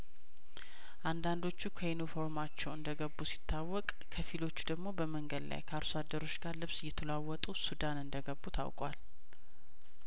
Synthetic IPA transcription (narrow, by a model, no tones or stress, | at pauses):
ʔand̪and̪o̞t͡ʃːukʰəjunifo̞ɾmat͡ʃːɛwɨnd̪əɡəbːusi̥t̪ʰːawːɔkʼ | kʰəfilo̞t͡ʃːud̪əɡmo̞bəməŋɡəd̪la̰jkʰəaɾsad̪ːəɾo̞t͡ʃːɡaɾlɨβsɨjːɛt̪ʰəlawːɔt̪ʼusud̪anɨnd̪əɡəbːut̪ʰa̰wkʼwa̰l